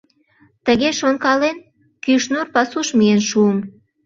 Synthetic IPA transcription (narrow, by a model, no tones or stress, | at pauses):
t̪əɣeʃonkɑlen | kyʃnurpɑsuʃmienʃuəm